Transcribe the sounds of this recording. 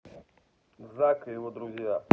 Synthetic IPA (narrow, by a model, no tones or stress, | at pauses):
zakjɪvod̪ɾʊzʲja